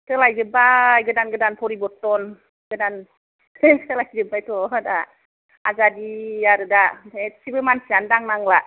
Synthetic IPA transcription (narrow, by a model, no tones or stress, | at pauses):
tɯlajzɯbajɡɯdanɡɯdanpʰɔɾibɔtːɔn | ɡɯdan | tʰəlajzɯbajtʰɔda | azadiaɾɯdaesibɯmansiandaŋnaŋla